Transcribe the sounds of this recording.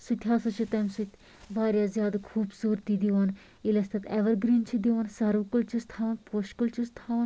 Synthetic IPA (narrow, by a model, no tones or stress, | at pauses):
sut̪ʲʰɦaːsɐt͡ʃʰit̪ɐmsut̪ʲ | baːɾʲjaːzjaːd̪akʰuːbsuːɾt̪id̪iʋɐn | ilɐst̪ɐt̪eʋɐɾɡɾiːnt͡ʃʰid̪iʋɐnsɐɾukult͡ʃʰist̪ʰaːʋɐnpoʃkult͡ʃʰust̪ʰaːʋn